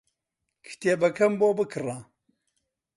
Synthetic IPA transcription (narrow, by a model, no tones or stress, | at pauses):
kʰɨ̥t̪eːbɐkʰɐmboːbɨkʰɨra